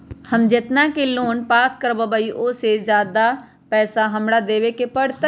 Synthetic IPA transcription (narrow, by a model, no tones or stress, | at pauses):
həmd͡ʒet̪nakeloːnpaːskəɾbəbəiʔosezjaːd̪a | pɛːsaɦɐmɽad̪eːʋekepəɽt̪